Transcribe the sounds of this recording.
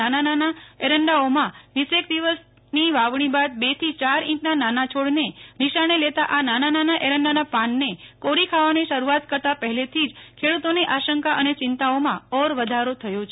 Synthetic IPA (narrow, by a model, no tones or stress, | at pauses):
anananaeɾəɳɖaomãʋisek̚d̪iʋəs | niʋaʋɳ̃ibad̪bet̪ʰit͡ʃaɾĩʈnananat͡ʃʰoɽneniʃaɳ̃elet̪aʔananananaʔeɾə̃ɳɖanapãnːekoɾikʰaʋaneʃəɾuat̪kəɾt̪apəɦɛlet̪ʰid͡ʒkʰeɽut̪oneʔaʃəŋkaʔənet͡ʃɪnt̪aomãɔɾʋəd̪ʱaɾot̪ʰəjot͡ʃʰe